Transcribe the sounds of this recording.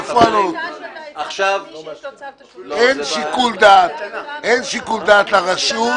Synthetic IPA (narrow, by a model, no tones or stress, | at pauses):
fanot̪ | enʃikuld̪at̪enʃikuld̪aːt̪laʁaʃu